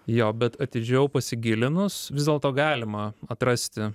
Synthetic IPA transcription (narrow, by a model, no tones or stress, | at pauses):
joːbʲɛt̪ɐt̪ʲɪd͡ʒʲɛʊpɐsʲɪɡʲɪlʲɪnʊsʋʲɪzd̪ʲeɛlˠt̪oːɡɑːlʲɪmɐɐt̪ɾɐsʲt̪ʲɪ